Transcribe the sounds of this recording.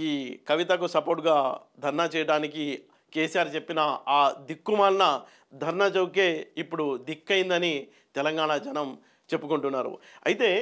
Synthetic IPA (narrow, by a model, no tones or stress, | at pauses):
iːkɐʋit̪ɐkusɐpoːɾʈɡaːd̪ʱɐɾɳɐt͡ʃɛːjɐɽaːniki | keːsijaːɾt͡ʃe̞pːinɐaːd̪ikːumaːlnɐ | d̪ʱɐɾɳɐt͡ʃɐwk̬e̞ːipːuɽud̪ikːɐjind̪ɐni | t̪ɛlɐŋɡaːɳɐd͡ʒɐnɐm | t͡ʃe̞pːukuɳʈunːaːɾṵɐjit̪e̞ː